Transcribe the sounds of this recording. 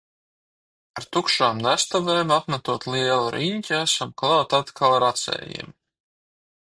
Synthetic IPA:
aɾt̪ukʃaːmnæst̪aveːmapmat̪uɔt̪liɛlˠaɾiɲʲcʲiæsamklˠɑːt̪at̪kʰalˠɾat̪sɛ̰ːjḭm

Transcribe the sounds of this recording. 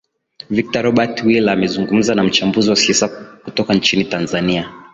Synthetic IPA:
vik̚taɾɔɓatwilamɛzuŋɡum̩zanam̩t͡ʃambuziwasɛsakutɔkant͡ʃinitanzania

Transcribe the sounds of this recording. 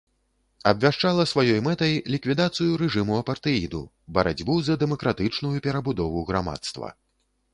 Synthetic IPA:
ɐbʲvʲaʂt͡ʂalˠɐsvajɔjmɛt̪ɐjlʲikvʲid̪at̪sɨjuɾɛʐɨmuɐpɐrt̪ɨid̪ṵ | bɐɾa̰d͡zʲbuzɐd̪ɛmɐkɾat̪ɨt͡ʂnujupʲɛɾɐbud̪ɔvuɣɾama̰t̪st̪vɐ̰

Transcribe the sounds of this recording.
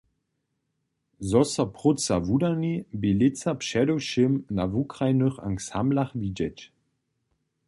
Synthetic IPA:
zɔsɐpʁʊt͡savudanibelɪt͡sapʃɛdowʃɪmnavukʁajnøχa̰ŋksamlaχvid͡ʒɛt͡ʃ

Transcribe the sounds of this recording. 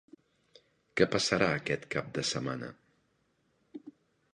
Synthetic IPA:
kɛpəsəɾaəkɛt̪kap̚d̪əsəmanə̰

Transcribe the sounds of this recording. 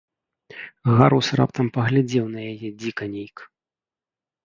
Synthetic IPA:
ɣaɾusra̰pt̪ɐmpɐɣlʲad͡zʲɛwn̪ɐjajɛd͡zʲikɐnʲejk

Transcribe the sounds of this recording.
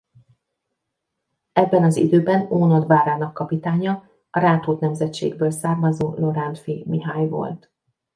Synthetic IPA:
ɛbːɛnɒzḭd̪øːbɛnoːnɒd̪baːɾaːnɒkːɒpit̪aːɲɒ | ɒɾaːt̪oːt̪nɛmzɛt̪t͡ʃḛːɡ̚bøːlsaːrmɒzoːlo̞ɾant̪fimiɦaːjvo̞̰lt̪

